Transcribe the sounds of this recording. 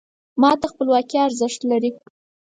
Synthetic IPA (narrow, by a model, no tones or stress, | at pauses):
mɑt̪axpəlwɑkiaɾzəʂt̪laɾi